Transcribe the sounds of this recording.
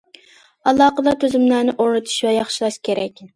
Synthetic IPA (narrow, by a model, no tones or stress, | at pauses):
ɑlˠːɑːqəd̪ɑt̪ʰøzymlæːnɪʔoɾnɨt̪ʰu̥ʃwɛjɑχʃilˠɑʃkʲʰeɾɛkʲ